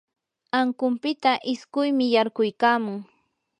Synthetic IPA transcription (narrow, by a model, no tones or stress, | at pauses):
aŋkʊmpɪt̪aʔɪskʊjmɪjaɾkʊjkaːmʊŋ